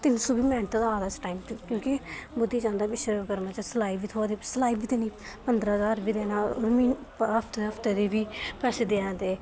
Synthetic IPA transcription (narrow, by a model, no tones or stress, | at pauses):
t̪ɪnsuːbiːmɛ̃ːɳʈ̪ːd̪aːd̪aːt͡ʃʈaːimkjõːkibʊd̪ːiːd͡ʒãːnd̪aːbɪʃɾekəɾmãːt͡ʃəslaːiːbiːt̪ʰoːad̪iːslaːiːbiːt̪eniːpənd̪ɾəːɦəzaːɾbiːd̪eːnaːo̰ːɾmiːnɦəpʰt̪ɦəpʰt̪eːd̪iːbiːpɛːseːd̪eãːnd̪eː